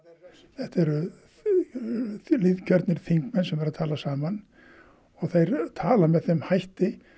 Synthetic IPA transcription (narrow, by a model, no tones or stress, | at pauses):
θɛht̪ɛɾʏ | liðcʰœɾt̪nɪɾ̥θiŋkmɛnsɛmvɛɾaðt̪ʰaːlasaːman | ɔɣθejɾt̪ʰaːlamɛðθɛmhajht̪ɪ